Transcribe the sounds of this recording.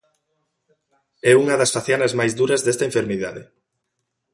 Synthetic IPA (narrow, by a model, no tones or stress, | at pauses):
ɛuŋɐðɐsfaθjanɐzmajzðuɾɐzðɛst̪ɐeɱfeɾmiðaðɪ